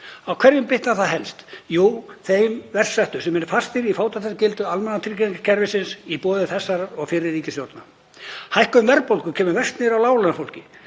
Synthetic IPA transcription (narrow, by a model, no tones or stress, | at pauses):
awkʰvɛɾjʏmpɪht̪aθaðɦɛlst̪joːwθejmvɛr̥sɛht̪ʏ̥sɛmɛnfast̪ɪɾifaːwt̪aθɛsacɪlt̪ʏalmɛnat̪ʰɪɾcɛŋkḁcʰɛɾvɪsɪnsipɔːðɪθɛsːaɾaɔɣfɪɾɪːiːcɪsjoɾt̪na | hajhkʏmvɛɾpowlkʏcʰɛːmʏvɛst̪nɪɾawlaːwlanfowlcɪ